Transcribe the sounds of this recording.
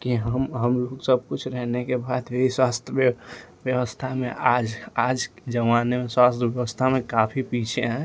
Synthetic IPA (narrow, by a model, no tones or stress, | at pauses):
kiɦəmɦəmloksəb̚kut͡ʃʰɾɛɦnekebad̪bʱiswast̪ʰjə | bjəwəst̪ʰamḛʔad͡ʒad͡ʒkd͡ʒəʋanemeswast̪ʰəbjəwəst̪ʰamekapʰipit͡ʃʰeɦɛ̃